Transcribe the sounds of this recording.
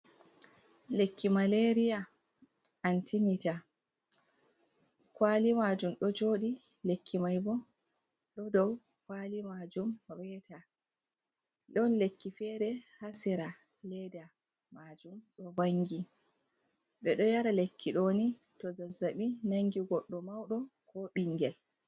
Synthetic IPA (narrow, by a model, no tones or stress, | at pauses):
lekːimaleɾija | antʰimita | kwalimad͡ʒumɗɔd͡ʒoːɗilekʰːimajbɔ | ɗɔdɔwkwalimad͡ʒumwɛtʰa | ɗɔnlekːifɛɾɛhasɛɾalɛda | mad͡ʒumɗɔbaŋɡi | ɓɛɗɔjaɾalekːiɗonitɔzazːaɓinaŋɡiɡɔɗːɔmawɗɔkʰɔɓiŋːɡɛl